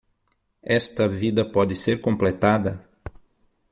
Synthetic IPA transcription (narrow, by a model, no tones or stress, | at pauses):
ɛst̪ɐvid̪ɐpɔd̪ɪseɾkõmplet̪ad̪ɐ